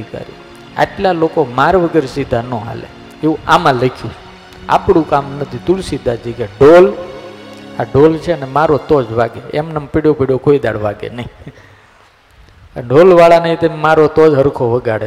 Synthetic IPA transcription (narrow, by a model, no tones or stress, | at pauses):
ikə̰ɾḭ | a̰ʈlalokomaɾʋəɡəɾsid̪ʱanõɦa̰lḛ | eũamãləkʰjũ | a̰pɽ̃ũkamnət̪ʰit̪ulsid̪ʱad͡ʒekeɖol | aɖolt͡ʃʰeənemaɾot̪ɔd͡ʒʋaɡeemnəmpiɽjopiɽjokʰoid̪a̰ɽʋaɡḛnəĩ | pəɳɖolʋaɭanəɦĩt̪əmaɾot̪od͡ʒɦəɾkʰoʋəɡaɽe